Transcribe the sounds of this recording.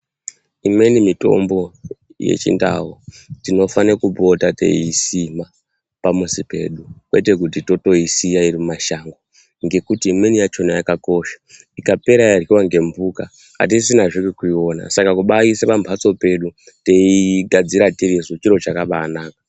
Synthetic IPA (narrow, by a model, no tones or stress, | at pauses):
imwe̞nimito̞̰mbo̞ | jḛt͡ʃḭnda̰ɦo | tino̞fanekubo̞tate̞̰isima | pamusipe̞̰ːɗukwe̞te̞k̬utito̞to̞isijaiɾimumaʃaŋɡo | ŋɡe̞kutiːmwenijat͡ʃonajakako̞ʃḁ | ikape̞ɾajarɣiwaŋɡe̞mbuka | ɦa̰t̬isinaʐikekuio̞na̰sakakuɓaisepambʱat͡so̞pe̞ɗu | teiɡʱad͡ziɾatiɾizot͡ʃiɾo̞t͡ʃakaʋaːnaːkḁ